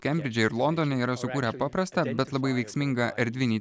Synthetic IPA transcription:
kʲɛmʲbʲɾʲɪd͡ʒʲɛɪɾlˠɔnd̪oːnʲɛiːɾɐsʊkuːɾʲɛpɑːpɾɐst̪ɐbʲɛt̪lˠɐbɐɪʋʲɛɪksʲmʲɪŋɡɐʔɛɾʲd̪ʲʋʲɪnʲiː

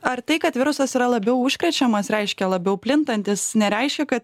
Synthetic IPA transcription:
ɐɾt̪ɐɪkɐt̪ʋʲɪɾʊsɐsiɾɐlˠɐbʲɛʊʊʃʲkɾʲɛt͡ʃʲɛmɐsɾʲɛɪʃʲkʲɛlˠɐbʲɛʊpʲlʲɪnt̪ɐnʲt̪ʲɪsnʲɛɾʲɛɪʃʲkʲɛkɐt̪

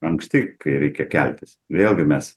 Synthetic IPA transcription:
ɐŋksʲt̪ʲɪkɐɪɾʲɛɪkʲɛkʲɛlʲt̪ʲɪsʋʲeːlˠɡʲɪmʲɛs

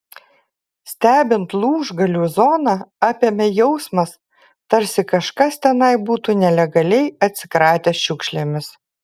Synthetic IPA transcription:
sʲt̪ʲæːbʲɪnt̪lˠuːʒɡɐlʲuːzɔːnɑɑːpʲeːmʲɛjɛʊsmɐs | t̪ɐɾʲsʲɪkɐʃkɐst̪ʲɛnɐɪbuːt̪uːnʲɛlʲɛɡɐlʲɛɪɐt̪ʲsʲɪkɾɑːt̪ʲeːsʃʲʊkʃʲlʲeːmʲɪs

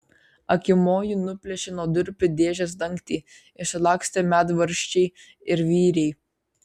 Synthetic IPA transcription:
ɐkʲɪmoːjunʊpʲlʲɛʃʲɛnoːd̪ʲʊɾʲpʲʊd̪ʲeːʒʲɛs̬d̪ɐŋʲkt̪ʲiː | ɪsʲɪlˠɑːksʲt̪ʲɛmʲæːd̪ʋɐɾʲʃʲt͡ʃʲɛɪ | ɪɾʋʲiːɾʲɛɪ

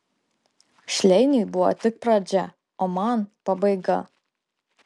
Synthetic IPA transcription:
ʃʲlʲɛɪnʲujbʊʋɔ̰t̪ʲɪk̚pɾɐd͡ʒʲɛ | oːmɐnpɐbɐɪɡɐ̰

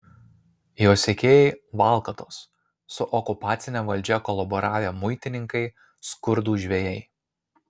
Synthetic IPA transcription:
joːsʲekʲeːjɛɪʋɑˑlˠˑkɐt̪oːsː | ʊʔɔkʊpɑːt̪sʲɪnʲɛʋɐlʲˑd͡ʒʲɛkɔlˠɐbɔɾɑːʋʲeːmʊɪt̪ʲɪnʲɪŋkɐɪ | skʊɾd̪uːʒʲʋʲeːjɛɪ

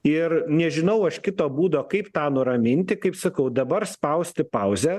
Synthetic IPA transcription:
ɪrnʲɛʒʲɪnɐʊɐʃkʲɪt̪oːbuːd̪oːkɐɪpt̪ɑːnʊɾɐmʲɪnʲt̪ʲɪkɐɪpsɐkɐʊd̪ɐbɐrspɐʊsʲt̪ʲɪpɐʊzʲɛ

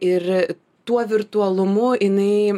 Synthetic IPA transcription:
ɪɾ | t̪uɔʋʲɪɾt̪uɐlˠʊmʊɪnɐɪ

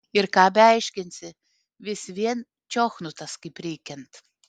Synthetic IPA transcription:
iɾkaːbʲɛajʃkʲinʲsʲi | vʲisvʲiɛn | t͡ʃɔxnut̪askʲipʲɾʲiːkʲɛnt̪

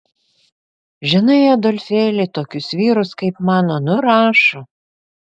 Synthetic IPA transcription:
ʒʲɪnɐɪɐd̪oːlʲfʲeːlʲɪt̪oːkʲʊsʋʲiːɾʊskɐɪpmɑːnoːnʊɾɑːʃo

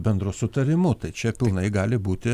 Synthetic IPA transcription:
bʲɛnd̪ɾʊsʊt̪ɐɾʲɪmʊt̪ɐɪt͡ʃʲɛpʲɪlˠnɐɪɡɑːlʲɪbuːt̪ʲɪ

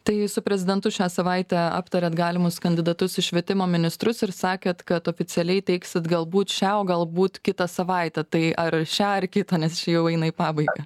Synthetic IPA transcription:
t̪ɐɪsʊpʲɾʲɛzʲɪd̪ʲɛnt̪ʊʃʲæːsɐʋɐɪt̪ʲæɑ̰ːpt̪ɐɾʲɛːt̪ɡɑːlʲɪmʊskɐnʲd̪ʲɪd̪ɐt̪ʊsɪʃʲʋʲiɛt̪ʲɪmoːmʲɪnʲɪst̪ɾʊsɪɾsɑːkʲeːt̪kɐt̪oːfʲɪsʲɪɛlʲɛɪtʲɛɪksʲɪt̪ɡɐlˠbuːt̪ʃʲæoɡɐlˠbuːt̪kʲɪt̪ɐsɐʋɐɪt̪ʲɛt̪ɐɪʔɐɾʃʲæːɐrkʲɪt̪ɐnʲɛst͡ʃʲɪjɛʊɛɪnɐiːpɑːbɐɪɡɐ

